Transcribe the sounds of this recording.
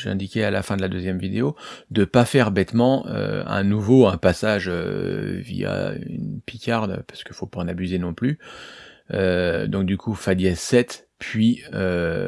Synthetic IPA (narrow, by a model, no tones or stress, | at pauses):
ʒɛ̰̃d̪ikʲɛalafɛ̃d̪əlad̪øzjɛmvid̪eod̪əpafɛʁbɛt̪mɑ̃ø̰ɛ̰̃nuvoɛ̃pasaʒø̰vḭa̰y̰npikʲʰaʁd̪paʁsə̥kəfopaɑ̃nabyzenɔ̃ply | ød̪ɔ̃k̚d̪ykʰufad̪jɛsɛt̪ | pʰɥiø